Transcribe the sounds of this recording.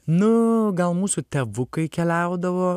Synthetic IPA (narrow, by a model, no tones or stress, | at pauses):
nʊɡɐlˠmuːsut̪ʲɛʋʊkɐɪkʲɛlawd̪ɐʋɔ